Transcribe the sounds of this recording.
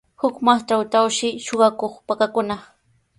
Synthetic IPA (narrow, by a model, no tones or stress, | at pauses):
hʊkmaχʈ͡ʂawt̪awʃɪʃoɢɑkoχpakakʊna